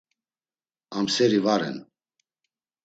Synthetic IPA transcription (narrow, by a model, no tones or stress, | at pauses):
amsɛɾivaɾɛ̰n